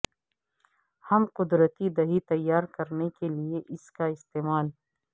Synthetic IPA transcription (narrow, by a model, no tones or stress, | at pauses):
hɐmqʊd̪ɾət̪id̪ɐɦit̪ɐjːaːɾkɐɾnekelieʔɪskaɪst̪eːmaːl